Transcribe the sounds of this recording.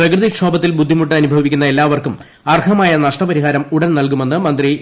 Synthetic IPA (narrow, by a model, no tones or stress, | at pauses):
rɐkrɨðikʂo̞ːbɐt̪ːilbud̪ʱːimuʈːɨɐnubʱɐʋikʲːunːɐe̞lːaːʋɐrkum | ɐrkʰɐmaːjɐnɐʂʈɐpɐɾiɦaːɾɐmuɽɐnnɐlkume̞nːɨmɐnd̪ri